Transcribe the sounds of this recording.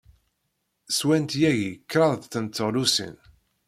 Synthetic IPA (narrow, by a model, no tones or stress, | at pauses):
swænt̪jæʝikːɾɑðθənt͡s̪ːəʁlusə̰n